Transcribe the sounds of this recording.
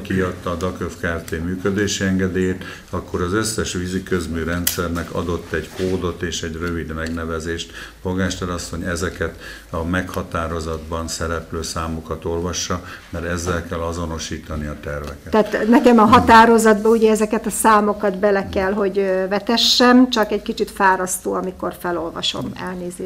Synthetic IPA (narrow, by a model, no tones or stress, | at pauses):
kiɒt̪ːɒːd̪ɒkøfkaːft̪eːmyːkød̪eːʃiɛŋɡɛd̪eːjeːt̪ | ɒkːo̞ɾɒzøsːɛʃʋizikøzmyːɾɛnt̪sɛrnɛkɒ̰d̪o̞t̪ːɛɟkoːd̪o̞t̪eːʃɛɟrø̞vid̪mɛɡnɛvɛzeːʃt̪foɡaːʃt̪ɛlɒsːo̞ɲɛzɛkɛt̪ | ɒmɛkhɒt̪aːɾo̞zɒd̪bɒnsɛɾɛpløːsaːmokɒt̪o̞lvɒʃːɒmɛɾɛzːɛlkɛlːɒzo̞no̞ʃiːt̪ɒniɒt̪ɛrvɛkɛt̪ɛːt̪nɛkɛmɒɦɒt̪aːɾo̞zɒd̪bɒuɟɛɛzɛkɛt̪ɒsaːmo̞kɒd̪bɛlɛkɛlɦo̞ɟvɛt̪ɛʃːɛmt͡ʃɒkɛɟkit͡ʃit̪faːɾɒst̪oːɒmiko̞rfɛlo̞lvɒ̰ʃo̞̰mɛ̰lneːzeːʃ